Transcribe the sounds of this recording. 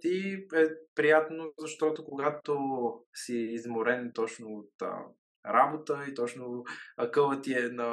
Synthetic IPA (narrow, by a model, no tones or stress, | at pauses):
t̪iɛpɾijat̪nozɐʃt̪ɔt̪okoɡat̪osiːzmʊɾɛnt̪ɔt͡ʃnoːt̪ə̰ | ɾabot̪əit̪ɔt͡ʃnoɐkɤvət̪iɛnə